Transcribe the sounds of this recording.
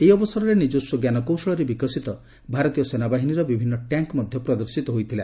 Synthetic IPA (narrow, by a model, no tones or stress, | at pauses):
ejɔbɔsɔɾɔɾenid͡ʒusɔɡjanɔkowsɔɭɔɾebikɔsit̪ɔ | bʱaɾɔt̪ijɔsenabaɦiniɾɔbibʱinːɔʈjaŋkmɔd̪ʱjɔpɾɔd̪ɔɾsit̪ɔɦojt̪ʰila